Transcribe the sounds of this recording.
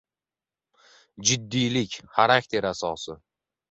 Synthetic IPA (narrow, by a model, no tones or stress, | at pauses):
d͡ʒɪd̪ːijlɪkʲχaɾakʲt̪ʰe̞ɾasɒsɪ